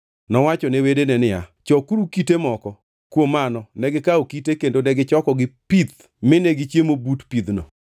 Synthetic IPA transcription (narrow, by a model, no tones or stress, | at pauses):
nɔwat͡ʃɔnɛwedenɛnɪja̰t͡ʃɔkuɾukitemɔkɔ | kwomanɔnɛɡɪkaokitekendonɛɡɪt͡ʃɔkɔɡɪpit̪̚ | mɪneɡɪt͡ʃjemobutpid̪nɔ̰